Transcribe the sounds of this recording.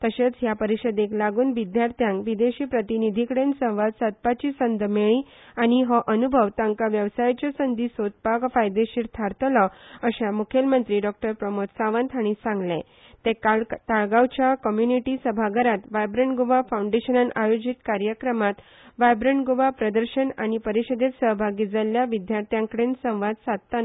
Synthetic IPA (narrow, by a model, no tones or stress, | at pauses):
t̪əɕet͡sɦjapəɾiɕəd̪eklaɡuːnʋid̪jaɾt̪ʰjãŋkʋid̪eɕiːpɾət̪inid̪ʱikɽensə̃w̃ʋad̪sat̪̚pat͡ɕiːsənd̪ʱmeɭĩ | añiɦəʔənubʱəʋt̪ãŋkaʋjəʋsajt͡ɕasənd̪iːsot̪̚pakfajd̪eɕiːɾt̪ʰaɾt̪əlɔəɕamukʰjelmənt̪ɾiːɖɔk̚ʈəɾpɾəmot̪saʋənt̪ʰaɽ̃isãŋɡlẽ | t̪ekat̪aɭɡawt͡ɕjakɔmjuniʈiːsəbʱaɡəɾat̪ʋajbɾəɳʈɡuʋafawɳɖeɕənənajod͡ʑit̪kaɾjəkɾəmat̪ | ʋajbɾəɳʈɡuʋapɾəd̪əɾɕəna̰ñipəɾiɕəd̪et̪səɦbʱaɡid͡zəljaʋid̪jaɾt̪ʰjãŋkəɽensə̃w̃ʋad̪sat̪̚t̪an